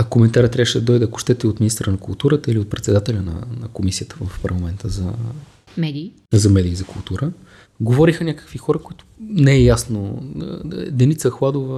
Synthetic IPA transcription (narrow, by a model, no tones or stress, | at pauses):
komɛnt̪aɾət̪ɾʲavəʃɛd̪ɐd̪ɔjd̪ɛɐkʊ̥ʃt̪ɛt̪ɛot̪minist̪əɾənɐkʊlˠt̪uɾət̪əiliot̪̚pɾɛt̪sɛd̪at̪ɛlʲənɐ̰nəkomisiət̪əvəfpəɾlˠɐmɛnt̪ʰəzɐ | mɛd̪iː | zɐmɛd̪iːzɐkʊlˠt̪uɾə | ɡovɔɾixənʲakə̥kvixɔɾəkʊit̪ʊ̥nɛɛjasno | d̪ɛnit̪səxlˠad̪ovə